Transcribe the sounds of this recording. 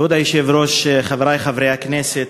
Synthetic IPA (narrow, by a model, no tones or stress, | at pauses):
ud̪ajiʃɛvɾoʃχavɾajχavɾejaknɛsɛt̪